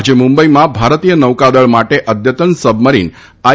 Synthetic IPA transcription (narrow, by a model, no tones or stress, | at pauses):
d͡ʒemũmbəimãbʱaɾt̪ijənəʋkad̪əɭmaʈeʔəd̪jət̪ənsəbʱməɾḭn | a